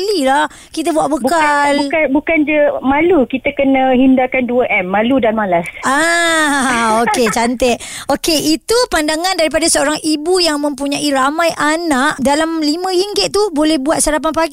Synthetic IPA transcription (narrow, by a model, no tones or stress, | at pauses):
lilah | kit̪əbuaʔbəbkalbukabukand͡ʒəmalukit̪əkənə̃ɦindakanduəʔɛmːaludanmalasa | oket͡ʃant̪eʔ̪̚okeʔit̪upandaŋãndaɾipadasəoɾaŋibujaŋmə̃mpuɲãʔiɾamãjʔanaʔdalamlimə̃hiŋɡɪt̪̚t̪ubolɛhbuat̪̚saɾap̬anpaɡ